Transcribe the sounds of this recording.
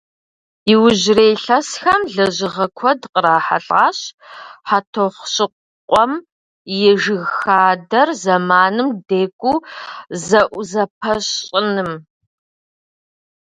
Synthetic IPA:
iwʊʑreːjɬɐsxɐmɮɐʑɪʁɐkʷʰɔdqəɾaːħa̰ɬʼaːɕħatʰoχʷɕʼɪqʷ | qʷʼɔm | jɛʒɨɣxaːdɐrzɐmaːnɨmdeːkʷʼuːzɐʔʷzɐp̚ʰɐɕʼɪnɨm

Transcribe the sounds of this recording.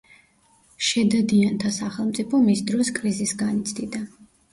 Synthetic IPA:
ʃɛd̪ad̪iant̪ʰasaχɛlˠmt̪sʼipʰɔmisd̪ɾɔskʼɾizisɡanit̪sʰd̪id̪a

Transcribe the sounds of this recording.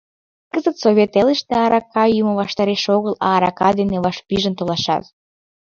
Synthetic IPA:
kəzət̪soβʲet̪eleʃt̪eɑɾɑkɑjyməβɑʃt̪ɑɾeʃoɣəlɑːɾɑkɑd̪eneβɑʃpiʒənt̪olɑʃɑ̰t̪

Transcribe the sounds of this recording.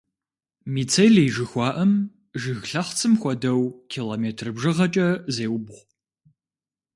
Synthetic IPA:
miːt͡sʰɐjɮiːʒɨxʷɑːʔɐm | ʒɨɣɬɐχt͡sʰɨmxʷɔdɐwkʰiːloːmeːtʰrɨbʒɨʁɐt͡ʃʼɐzeːwbʁʷ

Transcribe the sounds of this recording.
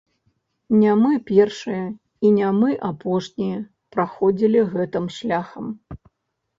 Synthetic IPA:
nʲamɨpʲɛrʂɨjɐ | inʲamɨʔapɔʂnʲijɐ | pɾaxɔd͡zʲilʲiɣɛt̪ɨmʂlʲaxɐm

